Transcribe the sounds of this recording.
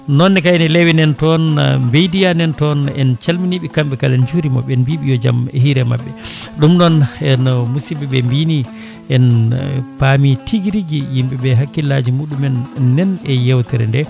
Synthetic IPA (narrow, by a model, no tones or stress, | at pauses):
nɔnːɛkajnɛlewinɛntɔnmbejdijanɛntɔnɛ̰nt͡ʃalminiɓikamɓɛkalɛnd͡ʒuɾimɔ̰ɓɛnbiːɓijɔd͡ʒa̰mɛ̰hiɾɛma̰ɓːɛ | ɗumnɔnɛnmusibiɓɛmbini | ʔɛnpamitʰiɡiɾiɡijimɓɛɓɛɦakːilad͡ʒimuɗumɛnːɛnɛjɛwtɛɾɛ̰ndɛ